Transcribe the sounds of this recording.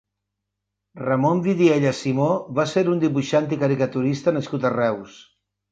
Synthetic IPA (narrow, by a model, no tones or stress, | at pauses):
rəmombiðieʎəsimoβaseɾund̪iβuʃant̪ikəɾikət̪uɾist̪ənəskut̪ərɛws